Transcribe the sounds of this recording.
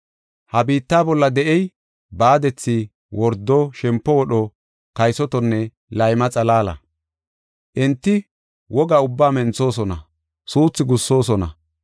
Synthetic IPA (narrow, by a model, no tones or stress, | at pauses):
hɐbiːt̪ːaːbɔlːɐd̪ɛʔɛj | baːd̪ɛt͡sːi | wɔɾd̪ːɔʃɛmpːɔwɔɗɔ | kɐjsɔt̪ɔnːɛ | lɐjmɐt͡sʼɐlaːlɐ̰ | ʔɪnt̪ːɪ | wɔɡaːʊbːaːmɛnt͡so̞ːs̬ɔnɐ | suːt͡sːɪɡʊsːo̞ːsɔnɐ̰